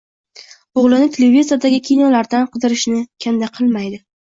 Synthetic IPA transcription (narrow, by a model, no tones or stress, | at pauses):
oʁlˠɪnɪt̪ʰelevʲizijad̪aɡʲɪkʲʰijnɒlaɾd̪anqʰɨd̪ɪɾɪʃnɪkʲʰand̪aqʰɨlˠmajd̪ɪ